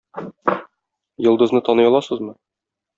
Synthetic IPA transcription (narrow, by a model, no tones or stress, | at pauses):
jɤ̆lˠd̪ɤ̆znɤt̪ɒnɤ̆jɑlˠɑsɤzmɤ